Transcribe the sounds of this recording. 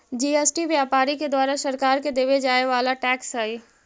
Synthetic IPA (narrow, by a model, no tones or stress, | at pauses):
d͡ʒiːesʈiʋjaːpaːɾiked̪waːɾaʃɐɾkaːɾked̪eːʋed͡ʒaːeʋaːlaʈɛːksɦai